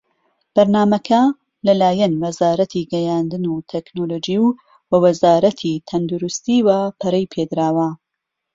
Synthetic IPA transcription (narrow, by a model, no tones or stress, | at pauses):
b̥ɐɾnaːmɐkʰɐ | lɐlaːjɐnwɐzaːɾɐt̪ʰiɡɛjaːnd̪ɨnut̪ʰeknoloːd͡ʒiw | wɐwɐzaːɾɐt̪ʰit̪ʰɐnd̪ʊɾʊst̪iːwaːpʰɐɾɐjpʰed̪ɾaːwɐ